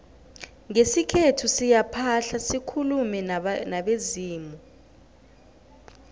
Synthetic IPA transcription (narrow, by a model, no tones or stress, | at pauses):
ŋesikʰetʰusijapʰaɬasikʰulumɛnaɓeziːmɔ